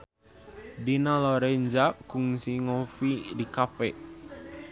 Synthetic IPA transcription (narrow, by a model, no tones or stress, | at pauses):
dinalɔɾɛɲd͡ʒakuŋsiŋɔfidikapɛʔ